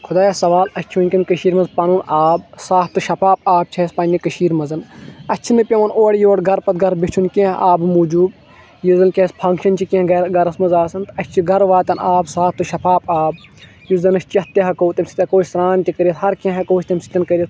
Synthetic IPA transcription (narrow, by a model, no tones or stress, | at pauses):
kʰud̪aːjasɐʋaːlɐt͡ʃʰiʋunʲkʲɐnkɐʃiːɾmɐzpaːnunaːb̚saːp̚t̪ɨʃɐpʰaːp̚aːb̚t͡ʃʰɐspɐnʲːikɐʃiːɾmɐzɐnɐt͡ʃʰinɨpʲɐʋɐnoːɽʲjoːɽɡʱɐɾpɐt̪̚ɡɐɾbit͡ʃʰunkʲẽɦaːbɨmuːd͡ʒuːb | jizɐnkʲɐɐspʰɐ̃ŋkʃɐnt͡ʃʰikʲẽhɡɐɡɐɾɐsmɐzaːsɐnt̪ɐt͡ʃʰiɡɐɾʋaːt̪ɐnaːbsaːp̚ʰt̪ɨʃɐpʰaːpaːb̚ | juzɐnɐst͡ʃɐt̪ːɐɦɐkoːt̪ɐmsi̥t̪ʲkoːsɾaːnt̪ʲikɐɾjɐsɦɐɾkʲẽɦɐkout͡ʃʰʲt̪ɐmʲsi̥t̪ʲɐnkɐɾʲjɐt̪